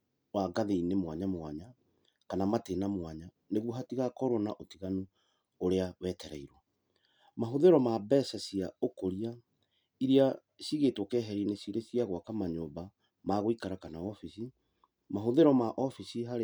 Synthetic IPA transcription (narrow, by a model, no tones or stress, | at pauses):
waɡaðeinemwaɲamwaɲa | kanamatenamwaɲa | neɣwoɦatiɣakɔɾonaʔotiɣano | oɾeawɛtɛɾaiɾwa | maɦoðeɾɔmabɛsasiaokoɾia | iɾia | siɣetwɔkɛɦɛɾinesiɾesiaɣwakamaɲoːba | maɣoikaɾakanaɔfisi | maɦoðeɾɔmaʔɔfisiɦaɾ